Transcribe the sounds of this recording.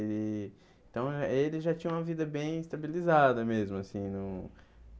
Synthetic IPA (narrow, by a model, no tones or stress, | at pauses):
ɪ̃ | t̪ɐ̃w̃elɪzʒat͡ʃĩɲɐ̃ũmɐvid̪ɐbẽj̃ist̪abilizad̪ɐmezmʊasĩnũ